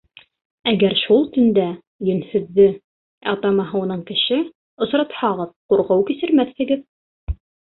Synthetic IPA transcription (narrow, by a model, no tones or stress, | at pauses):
æɡæɾʃulˠt̪ɵ̆nd̪æ | jɵ̆nhɵ̆ðːɘ | ɑt̪ɑmɑɦɤ̆wunɤɴkɘ̆ʃɘ | ŏsɾɑt̪hɑʁɤðquɾqɤwkisɘ̆ɾmæθɘ̆ɡɘð